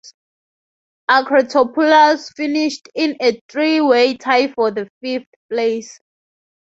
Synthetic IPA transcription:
akʰɹɔtʰɔpʰulasfiniʃtĩneθɹiwetʰajfɔðəfifθples

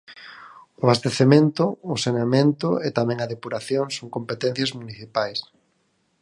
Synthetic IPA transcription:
ʊaβast̪eθemẽnt̪ʊːsenamẽnt̪ʊet̪amɛ̃ŋɐðepuɾaθjoŋsoŋkompet̪ɛ̃n̟θjɐzmuniθipajs

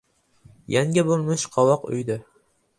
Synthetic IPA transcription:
jaŋʲabolˠmɪʃqʰɒwɒqʊ̰jd̪ɪ

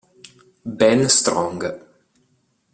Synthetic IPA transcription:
bɛnst̪ɾɔ̃ŋɡə

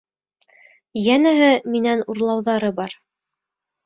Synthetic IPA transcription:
jænæɦɘminænuɾlˠɑwðɑɾɤbɑɾ

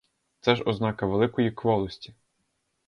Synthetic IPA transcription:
t̪sɛʒɔznɑkɐʋelˠɪkɔjikxʋɔlˠɔsʲtʲi̥

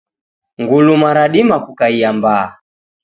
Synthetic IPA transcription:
ŋɡulumaɾaɗimakukaijambaː

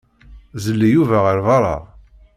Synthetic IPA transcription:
zəlːijuvæʁəɾvɑɾˤɑ̰

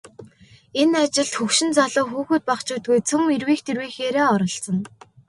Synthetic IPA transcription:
enat͡ɕɪ̆ɮt̪xɵkʃɪ̆nt͡saɮʊːxuːxuːt̪̚paχt͡ɕuːt̪ɡujt͡sʰɵmirwiːxt̪ʰirwiːxeːɾeːɔɾɞ̆ɬsɞ̆n

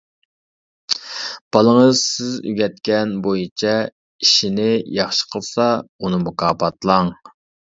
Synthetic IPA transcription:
b̥ɑlˠəŋəzsɪzy̰ɡʲɛt̪̚kʲɛnbojit͡ʃʰɛ | iʃinɪjɑχʃə̥qʰəlˠsɑunɨmukɑːpɑt̪lˠɑŋ

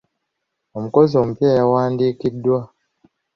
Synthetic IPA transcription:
om̩kɔzom̩pjajawandikidwa

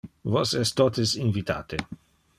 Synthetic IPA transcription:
vosɛst̪ot̪esinvit̪a̰ːt̪e

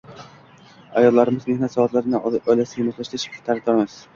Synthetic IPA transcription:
ajɒd̪laɾɪmɪzmehnat̪sɒvat̪laɾɪnɪɒjlasɪjamʊt̪laʃt̪ɪʃt̪ʰːaɾak̚d̪ɒɾmɪz̥

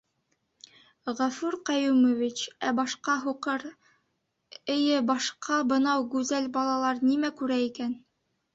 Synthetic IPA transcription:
ʁæfuɾqɑjumovit͡ɕæbɑʃqɑɦuqɤɾ | ɘ̆jɘbɑʃqʰɑbɤ̆nɑwɡʉzælbɑlˠɑlˠɑɾnimækʉɾæikæn

